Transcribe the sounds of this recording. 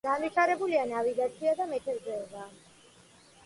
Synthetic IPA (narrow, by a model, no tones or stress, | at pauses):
ɡaniʃʰaɾɛbulianaviɡat̪sʰiad̪amɛt̪ʰɛɾzɛɔbaː